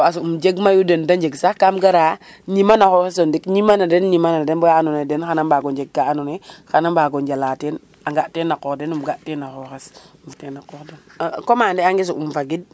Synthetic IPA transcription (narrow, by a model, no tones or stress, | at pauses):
oas̬uumd͡ʒeɡmajudendand͡ʒeɡsakamɡaɾa | ɲimanaxoxes̬ondikɲimanadenɲimanadenbojaanunedenxanambaɡond͡ʒeɡ̚ɡaanonexanambaɡond͡ʒalaten | aŋɡatenakokdenumɡaʔtenaxoxesfutenakoxdenkomandeaŋɡis̬uumfaɡid̚